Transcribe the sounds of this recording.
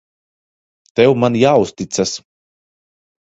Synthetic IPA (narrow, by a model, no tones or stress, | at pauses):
t̪ɛwmanjaːust̪it̪sas